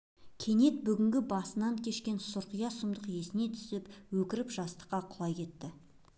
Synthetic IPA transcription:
kʲʰe̞ne̞t̪̚bʏɡʲɪŋɡʲɪbɑsənɑŋkʲʰe̞ʃkʲe̞nsʊɾqəjɑsʊmd̪əqje̞sɪne̞t̪ʰʏ̥sɪpwɵkʲɪɾɪpʒɑst̪ə̥qːɑqʰʊlˠɑjkʲʰe̞t̪ːɪ

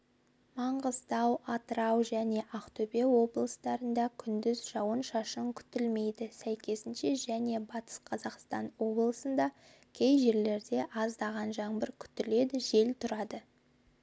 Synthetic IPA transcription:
mɑɴʁəzd̪ɑwɑt̪əɾɑwʒæne̞ʔɑqt̪obewo̞blˠəsd̪ɑɾənd̪ɑkʲʰʏnd̪ɪzʒɑwənʃɑʃəŋkʲʰʏ̥t̪ɪlme̞jd̪ɪsæjkʲʰe̞sɪnʃe̞ʒæne̞bɑt̪ə̥sqʰɑzɑqst̪ɑnwo̞blˠəsənd̪ɑ | kʲʰe̞jʒe̞ɾle̞ɾd̪e̞ʔɑzd̪ɑʁɑnʒɑɴbəɾkʲʰʏ̥t̪ɪle̞d̪ɪʒe̞lt̪ʰʊɾɑd̪ə

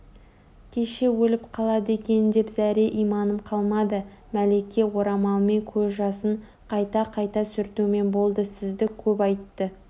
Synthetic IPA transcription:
kʲʰe̞ʃe̞wɵlɪpqʰɑlˠɑd̪əe̞kʲe̞nɪnd̪e̞pzæɾe̞ʔijmɑnəmqʰɑlˠmɑd̪ə | mæle̞kʲːe̞wo̞ɾɑmɑlˠmekʲʰɵzʒɑsəɴ | qʰɑjt̪ɑqʰɑjt̪ɑsʏɾt̪ume̞nbo̞lˠd̪əsɪzd̪ɪkʲʰɵp̬ɑjt̪ːə

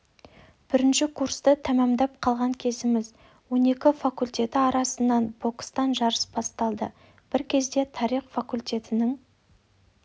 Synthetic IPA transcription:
b̥ɪɾɪnʃɪkʰurst̪ət̪ʰæmɑmd̪ɑp̚qʰɑlˠʁɑŋkʲʰe̞sɪmɪz | wo̞ne̞kʲɪfakulʲt̪ʲe̞t̪ɪɑɾɑsənːɑnb̥o̞kst̪ɑnʒɑɾəsbɑst̪ɑlˠd̪ə | b̥ɪɾkʲʰe̞zd̪e̞t̪ʰɑɾiχfakulʲt̪e̞t̪ɪnɪŋ

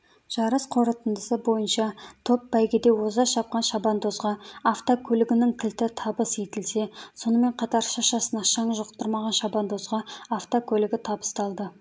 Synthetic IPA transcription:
ʒ̥ɑɾəsqʰo̞ɾət̪ənd̪əsəbo̞jənʃɑt̪ʰo̞pbæjɡʲɪd̪e̞wozɑʃɑp̚qɑnʃɑbɑnd̪o̞zʁɑːft̪okʲʰɵlɪɡʲɪnɪŋt̪ʰɪlt̪ɪt̪ʰɑbəsjet̪ɪlse̞so̞nəme̞ɴqʰɑt̪ɑɾʃɑʃɑsənɑʃɑɴəʒəʁt̪ːəɾmɑʁɑnʃɑbɑnd̪o̞zʁɑaft̪okʲʰɵlɪɡʲɪt̪ʰɑbə̥st̪ɑlˠd̪ə

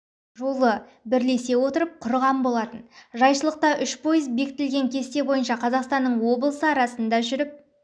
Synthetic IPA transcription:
ʒo̞lˠə | bɪɾle̞se̞wo̞t̪əɾəp̚qʰʊɾʁɑmbo̞lˠɑt̪ənʒɑjʃəlˠəq̚t̪ɑʔʏʃpʰo̞jəzbe̞kɪt̪ɪlɡʲe̞ŋkʲʰe̞st̪e̞bo̞jənʃɑqʰɑzɑqst̪ɑnːəɴwo̞blˠəsəɑɾɑsənd̪ɑʒʏɾɪp̚

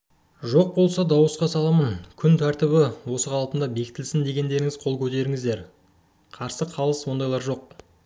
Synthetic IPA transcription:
ʒo̞q̚bo̞lˠsɑd̪ɑwəsqɑsɑlˠɑmənkʲʰʏnt̪ʰæɾt̪ɪβɪwo̞səqʰɑlˠpənd̪ɑbe̞kʲɪ̥t̪ɪlsɪnd̪e̞ɡʲe̞nd̪e̞ɾɪŋɪzqʰo̞lˠkʲʰɵt̪e̞ɾɪŋɪzd̪e̞ɾ | qʰɑɾsəqʰɑlˠəswo̞nd̪ɑjlˠɑɾʒo̞q̚

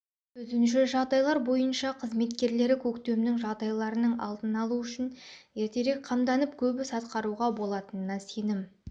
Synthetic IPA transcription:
ɵzɪnʃɪʒɑʁd̪ɑjlˠɑɾbo̞jənʃɑqʰəzme̞t̪kʲe̞ɾle̞ɾɪkʲʰɵkt̪e̞mnɪŋʒɑʁd̪ɑjlˠɑɾənəɴɑ̰lˠd̪ənɑlˠuʏʃɪnje̞ɾt̪e̞ɾe̞k̚qʰɑmd̪ɑnəp̚kʲʰɵbɪsɑt̪qɑɾuʁɑbo̞lˠɑt̪ənənɑse̞nɪm

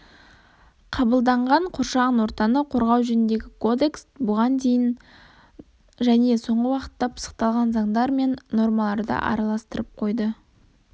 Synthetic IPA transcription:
qʰɑbəlˠd̪ɑɴʁɑɴqʰoɾʃɑʁənwo̞ɾt̪ɑnəqʰo̞ɾʁɑwʒɵnɪnd̪e̞ɡʲɪkʰo̞d̪e̞ksbʊʁɑnd̪e̞jɪn | ʒæne̞so̞ɴʁəwɑqə̥t̪ːɑpʰə̥sə̥qt̪ɑlˠʁɑnzɑɴd̪ɑɾme̞nːo̞ɾmɑlˠɑɾd̪ə̰ʔɑ̰ɾɑlˠɑst̪əɾəp̚qʰo̞jd̪ə

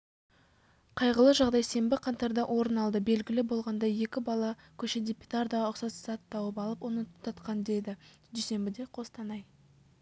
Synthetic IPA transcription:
qʰɑjʁəlˠəʒɑʁd̪ɑjse̞mbɪqʰɑnt̪ɑɾd̪ɑʔwʔo̞ɾənɑlˠd̪əbe̞lɡʲɪlɪbo̞lˠʁɑnd̪ɑje̞kʲɪbɑlˠɑ | kʲʰɵʃed̪ʲe̞pʲut̪aɾd̪ɑʊqsɑzsɑt̪ːɑwəpɑlˠəpwonət̪ʰɑt̪qɑnd̪e̞d̪ɪ | d̪ejse̞mbɪd̪e̞qʰo̞st̪ʰɑnɑj

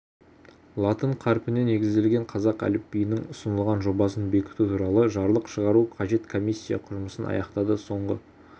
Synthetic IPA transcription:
lˠɑt̪əɴqʰɑɾpɪne̞ne̞ɡʲɪzd̪e̞lɡʲe̞ɴqʰɑzɑqæ̰lɪpːijɪnɪŋʊsənəlˠʁɑnʒo̞bɑsənbe̞kʲɪ̥t̪ut̪ʰuɾɑlˠəʒɑɾlˠəqʃəʁɑɾuqʰɑʒe̞t̪kʰo̞mijsʲːijɑ̰qʰʊʒməsənɑ̰jɑqt̪ɑd̪əso̞ɴʁə̰

